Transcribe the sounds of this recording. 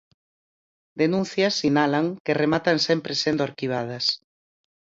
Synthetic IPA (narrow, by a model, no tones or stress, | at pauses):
d̪enũn̟θjɐsːinalaŋkeremat̪ansempɾesend̪oaɾkiβ̞að̞ɐs